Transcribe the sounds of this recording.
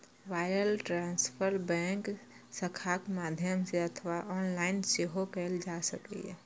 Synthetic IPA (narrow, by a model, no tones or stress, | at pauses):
ʋaɪɾəlʈɾãnspʰəɾbɛ̃ŋk | səkʰakmad̪ʱjəmseət̪ʰʋaʔɔːnlaɪnseɦokɛld͡ʒasəkɛ̰jɛ̰